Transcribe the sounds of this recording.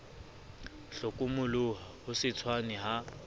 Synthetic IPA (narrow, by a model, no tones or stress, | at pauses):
ɬʊkʼʊmʊlʊɦahʊsɪt͡sʰwanɛɦa